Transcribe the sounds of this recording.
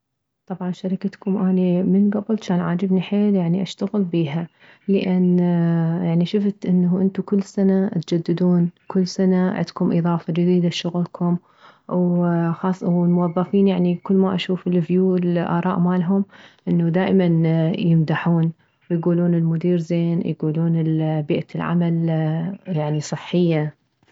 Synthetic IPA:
t̪ˤɑbʕɑnʃaɾɪkat̪kʊmʔaːnimɪnɡabɪlt͡ʃaːnʕaːd͡ʒɪbniħeːljaʕniʔaʃt̪aɣɪlbiːɦa | lɪʔɪn | jaʕniʃʊft̪ʔɪnːʔɪnt̪ukʊlːsanat̪d͡ʒad̪ːɪd̪uːnkʊlːsanaʕɪ̰d̪kʊmʔɨðˤɑːfɑd͡ʒɪd̪iːd̪aʃʊɣlkʰʊm | wxɑːsˤwɪlmʊwɑðˤːɑfiːnjaʕnikʊlːmaʔaʃuːfɪlvjuːlʔa̰ːɾˤɑ̰ːʔmaːlɦʊmʔɪnːud̪aːʔmanjɪmd̪aħuːn | wɪjɡuːluːnɪlmʊd̪iːɾzeːnjɡuːluːnɪlbiːʔalʕa̰mal | jaʕnisˤɨħːɪjːa

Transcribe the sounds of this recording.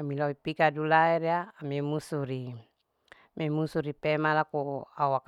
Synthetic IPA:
amilaipikadulaɛɾeaːmimusuɾi | mɛmusuɾipɛmalakuauak

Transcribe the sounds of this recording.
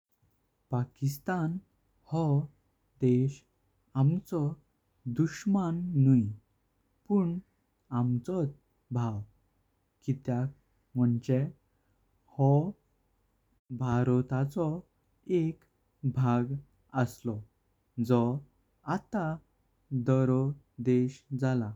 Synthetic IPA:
pakist̪an | hɔ | d̪eɕ | amt͡sɔ | d̪uɕmanːuj | puɳ | amt͡sɔt͡s | bʱaw | kit̪jak | m̤əɳt͡ɕe | hɔ | bʱaɾɔt̪at͡sɔ | ek | bʱaɡ | əslɔ | d͡zɔ | at̪a | d̪ɔɾɔ | d̪eɕd͡zala

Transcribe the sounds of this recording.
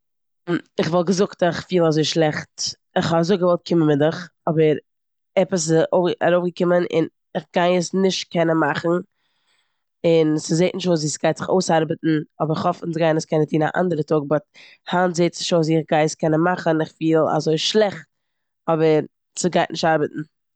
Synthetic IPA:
ɪχvɔlˠɡəzʊktɪχfiːlˠazoɪʃlˠɛχt | ɪχhɔazoɪɡəvɔlˠt̚kʰɪmənmɪdɪχɔbəɾ | ɛpəs̬oʊa̰ɾoʊfɡəkɪmənɪ̰n | ɪχɡaɪəsnɪʃtkʰɛnənmaχn̩ | ɪnsɪzeɪtnɪʃtvuːsziːsɡ̥aɪtz̥ɪχo̰ʊsaɾbətn̩ɔbəɾɪχɔfɪnsɡaɪnəskɛnətʰiːna̰ʔa̰ndəɾətʰʊɡ̚bɔt̚ | haːnzeɪtsɪʃoːziːɪχɡaɪəskɛnənmaχənɪχfiːlˠa̰zoɪʃlˠɛχt̚ | ɔbəɾ | sɪɡaɪtnʔɪʃtaɾbətn̩

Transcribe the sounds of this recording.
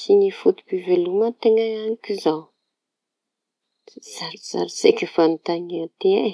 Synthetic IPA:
sinifut̪u̥pivelumət̪eŋəanikizaw | z̥aɾiz̥a̰ɾisekʲifanit̪aŋet̪ee

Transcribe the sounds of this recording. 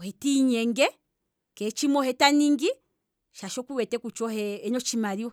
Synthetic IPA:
hɛtiɲɛŋɡɛ | kɛt͡ʃimɔhɛtaniŋɡi | ʃaʃɔkuwɛtɛkut͡ʃɔhɛɛɲɔt͡ʃimaɾiwɔ

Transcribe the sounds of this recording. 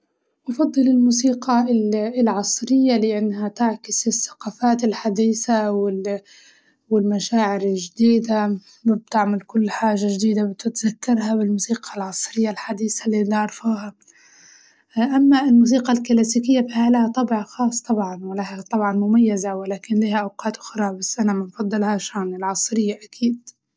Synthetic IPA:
wʔɑfɑd̪ˤːɨlɪlmuːsiːqɑɪɪlʕɑsˤɾɪjːalɪʔanːhat̪aʕkɪsɪsːḁqaːfaːt̪ɪlħad̪iːθawɪl | wɪlmaʃaːʕɪɾɪlʒd̪iːd̪a | wɪb̚t̪ɪʕmalkʊlːħaːʒaʒd̪iːd̪abɪt̪ɪt̪zakːɑɾˤhabɪlmuːsiːqʰalʕɑsˤɾɪjːalħad̪iːθalːinɑʕɾˤfaːha | ʔamːaɪlmuːs̬iːqalkalaːsiːkɪjːabihalahat̪ˤɑbɪʕxɑːsˤt̪ˤɑbʕɑnwɪlahat̪ˤɑbʕɑnmʊmajːazawɪlaːkɪnliːhaʔawqɑːt̪ʔʊxɾˤɑbasːʔanamɪnfɑd̪ˤːɨlhaʃaːnɪlʕɑsˤɾɪjːaʔakʰiːd̪̚

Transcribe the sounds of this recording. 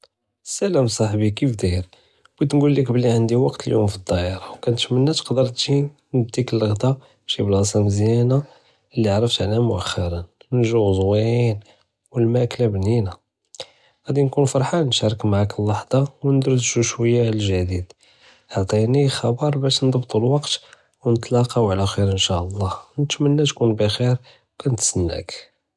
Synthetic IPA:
sæləmsˤɑħbikifd̪iɾ | wt̪nɡulːikbəlːiʕand̪iwɑqt̪əljumfid̪ˤːɑʔəɾˤɑwkænt̪mənːæt̪qd̪əɾˤt̪ʒi | nəb̚t̪ikəlːəɣt̪a | ʃiblɑsˤɑnzjæna | əlːiʕɾˤəft̪ʕlæmʊʔəxːɑɾˤənnʒuzwiin | wəlmæklæbnina | ɣæd̪inkunfɑɾˤħɑnʃæɾˤəkmaʕakəlːɑħd̪ˤɑwnd̪ɾəd̪ʒuʃwəjːalʒæd̪id̪ | ʕt̪ˤinixɑbɑɾˤbæʃnd̪ˤɑbt̪ˤəlwɑqt̪ | wnət̪ˤlɑqɑwʕlæxiɾənʃæʔəlˤːɑnət̪mənːæt̪kunbixiɾ | wkænt̪sənːæ̰k

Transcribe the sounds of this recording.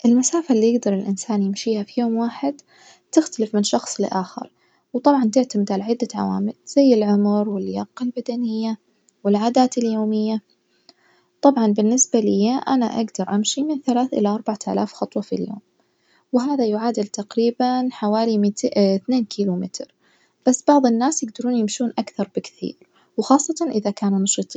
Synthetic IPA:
ʔɪlmasaːfalːijɪɡd̪ɑɾˤɪlʔɪnsaːnjɪmʃiːhafijoːmwaːħɪd̪ | t̪ɪxt̪alɪfmɪnʃɑxsˤlɪ̰ʔaːxɪ̰ɾ | wt̪ˤɑbʕɑnt̪ɪʕt̪amɪd̪ʕalaʕɪd̪ːaʕa̰wa̰ːmɪlz̥ajːɪlʕʊmɾwɪljɑqːɪlbad̪anɪjːa | wɪlʕaːd̪aːt̪ɪljoːmɪjːa | t̪ˤɑbʕɑnbɪnːɪsbalɪjːaʔa̰naʔa̰ɡd̪ɑɾˤʔamʃimɪnθalaːθʔɪ̰laʔɑɾˤbaʕat̪ʔa̰laːfxɑt̪ˤwɑfḭljo̰ːm | wɦaːðajʊʕaːd̪ɪlt̪aqɾiːbanħawaːlimɪt̪θneːnkʰiːlumɪt̪ɾ | b̥asːb̥ɑʕðˤɨnːaːsjɪɡd̪ɑɾuːnjɪmʃuːnʔakθɑɾˤbɪkθḭːɾ | wxɑːsˤːɑt̪ɑnʔɪðakaːnunɑʃɨt̪ˤi

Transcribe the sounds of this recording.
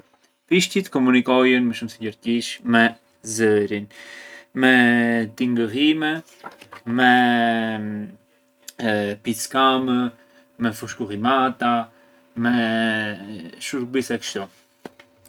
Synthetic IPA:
piʃcit̪kɔmunikɔjɛnmɛʃumsiɟəɾc̪iʃmɛ | zɛɾinmɛt̪iŋɡəɦimɛ | mɛ | piskamə | mɛfuʃkuhimat̪a | mɛ | ʃuɾbisɛkə̥ʃt̪u

